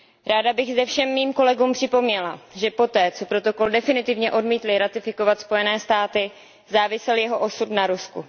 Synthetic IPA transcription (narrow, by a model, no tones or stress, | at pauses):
ɾaːdabɪɣzɛfʃɛmːiːmko̞lɛɡuːmpr̥ɪpo̞mɲɛlaʒɛpo̞t̪ɛːt͡so̞pɾo̞t̪o̞ko̞ldɛfɪnɪt̪ɪvɲɛʔo̞dmiːt̪lɪɾat̪ɪfɪko̞vat̪spo̞jɛnɛːst̪aːt̪ɪ | zaːvɪsɛljɛɦo̞ʔo̞sut̪naɾuskṵ